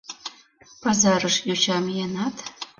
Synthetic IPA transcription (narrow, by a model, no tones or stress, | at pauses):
pɑzɑɾəʃjut͡ɕɑmjenɑt̪